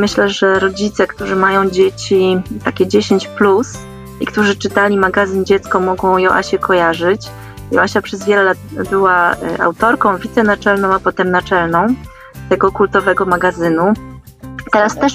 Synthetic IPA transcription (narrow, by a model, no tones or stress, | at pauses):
mɘɕlɛʐɛɾɔd͡ʑit̪sɛkt̪uʐɘmajɔ̃w̃d͡ʑet͡ɕit̪akʲɛd͡ʑeɕeɲt͡ɕplus | ikt̪uʐɘt͡ʂɘt̪alʲimaɡazɘnd͡ʑɛt̪skɔmɔɡɔ̃w̃jɔʔa̰ɕɛkʰɔjaʐɘt͡ɕ | jɔ̰aɕapʂɛzvʲjɛlɛlat̪̚bɘwa̰ʔa̰wt̪ɔɾkɔ̃w̃vʲit̪sɛnat͡ʂɛlnɔ̃w̃apɔt̪ɛmnat͡ʂɛlnɔ̃w̃ | t̪ɛɡɔkult̪ɔvɛɡɔmaɡazɘnu | t̪ɛɾast̪ɛʂ